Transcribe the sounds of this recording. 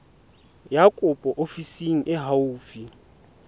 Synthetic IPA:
jakʼʊpʼɔʔofisiŋ̩ʔɪɦauːfi

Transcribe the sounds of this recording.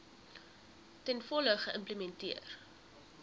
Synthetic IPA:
tɛnfɔləχəʔəmpləmɛntiər

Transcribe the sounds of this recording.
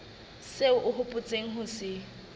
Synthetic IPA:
seʊʔʊɦʊpʼʊt͡sʼeŋ̩ɦʊsɪ

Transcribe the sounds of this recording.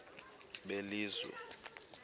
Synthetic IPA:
ɓeliːzwɛ̰

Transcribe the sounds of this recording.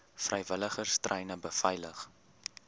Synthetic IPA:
frəjvələχərstrʔəjnəbəfɐjləχ

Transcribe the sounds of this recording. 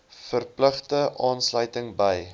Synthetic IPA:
fərpləχtəʔɑːnslœɥtəŋbəj

